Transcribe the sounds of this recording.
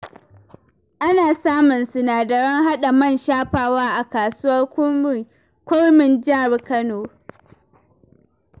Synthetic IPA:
ʔa˦naː˨saː˦mʊ˨nsʊ˨naː˨dɐ˨ɽɪ˦ŋɦa˦ɗa˨mɐ˦˨nʃaː˦ɸaː˨waː˦ʔa˨kaː˨sʊ˦wɐ˦rkʷʊ˦˨ | kʷʊ˦rmɪ˨nd͡ʒaː˦˨ɽi˨kɐ˦noː˨

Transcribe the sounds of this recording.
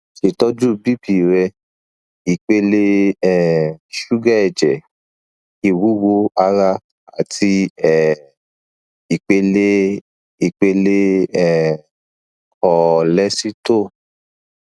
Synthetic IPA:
ʃe˨tɔ˦d͡ʒu˦˨bi˦bi˨ɾɛ˧ | i˨k͡pe˧le˧ɛ˦˨ʃu˦ɡɛ˦ɛ˨d͡ʒɛ˨ | i˧˨wu˨˦wo˨˦a˧ɾa˧ | a˨ti˧ɛ˨ | i˨k͡pe˧le˦ | i˨k͡pe˧le˦ɛ˦˨ | kɔ˨lɛ˦si˦to˦˨

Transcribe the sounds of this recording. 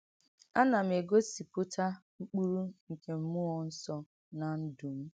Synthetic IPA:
a˦na˨m̩˨e˨ɡo˦si˨pʊ˦tʰa˦ŋ͡m̩˦k͡pu˦ɾu˦ŋ̩˨ke˨m̩˦mʊ˦ɔ˨n̩˦sɔ˨ | na˨n̩˦du˨m̩˦

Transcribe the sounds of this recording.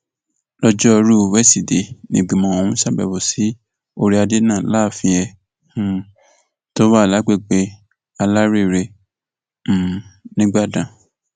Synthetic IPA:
lɔ˦d͡ʒɔ˦˧ɾu˦o˧wɛ˦si˨de˨nĩ˨ɡ͡bĩ˨mɔ̃˨o˨hũ˧˦sa˦˨bɛ̰˨bo˨si˨˦ | o˧ɾi˧˦a˧de˨˦nãː˦˨la˦˨fĩ˧ɛ˧ | hũ˨˧ | to˦wa˦˨la˨˦ɡ͡be˦˨ɡ͡be˧˦ | a˧la˦ɾe˦˨ɾe˧˦˨ | nĩ˦ɡ͡ba˦˨dã˨

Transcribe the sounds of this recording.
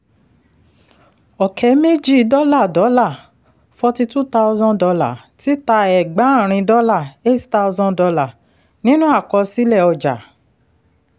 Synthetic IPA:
ɔ˨kʰɛ˨˦me˦d͡ʒi˦˨˧dɔ˦la˦˨dɔ˨˦la˦˨ | fɔ˧ti˧tu˦ta˦u˧zɔ̃˦dɔ˧la̰˨ | ti˨˦ta˧ɛ˨ɡ͡bã˨˦˨ɾ̃ĩ˧dɔ˦la˦˨e˦tta˧u˧zɔ̃˧dɔ˧la˨ | nĩ˦nũ˦a˦˨kɔ˧si˦lɛ˦˨ɔ˧˨d͡ʒa̰˨

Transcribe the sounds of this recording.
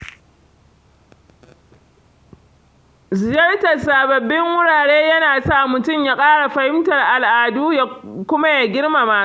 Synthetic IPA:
zɪ˨d͡ʒɐ˦rtɐ˨rsaː˨bɐ˨bːɪ˦ŋwʊ˦ɽaː˨ɽeː˦jɐ˦naː˨saː˦˨mʊ˨tʊ˦˨mjaː˦kʼaː˦ɽa˨ɸɐ˨hɪ˦mtɐ˨rʔa˨lʔaː˨duː˦ja˦kʷʊ˦ma˦ja˨ɡʲɪ˦rma˨maː˦a˦˨

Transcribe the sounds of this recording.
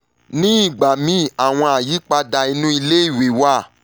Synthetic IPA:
nĩ˦i˦˨ɡ͡ba˨mĩ˦˨a˨w̃ɔ̃˧a˨ji˨˦k͡pa˧da˧i˧nũ˦i˧le˦i˦˨we˨wa˦˨

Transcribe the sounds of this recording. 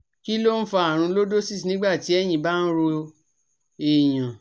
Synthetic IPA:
ki˦lo˦n̩˦fa˧a˨ɾ̃ũ˧˦lo˦do˦si˦snĩ˦ɡ͡ba˦˨ti˨˦ɛ˦˨j̃ĩ˨ba˦n̩˦ɾo˧ | e˨j̃ã˨

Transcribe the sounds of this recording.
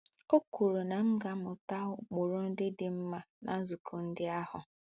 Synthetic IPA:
o˦ku˨ɾu˨na˨m̩˦ɡa˨mʊ˨ta˦ʊ˦k͡pʊ˨ɾʊ˦n̩˦dɪ˦dɪ˨m̩˦ma˨na˨˦zu˨kʰo˨n̩˦dɪ˦a˦hʊ˨

